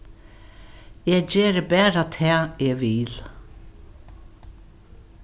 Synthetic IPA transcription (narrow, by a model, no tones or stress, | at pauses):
jɛd͡ʑeːɾəbɛːɾat̪ʰɛːɛʋil